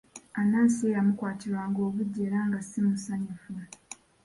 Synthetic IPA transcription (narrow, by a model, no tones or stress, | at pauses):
anaːnsiejamukwaːtiɾwaːŋɡo̞ːβuɟːeɾaːŋɡasimusaɲufua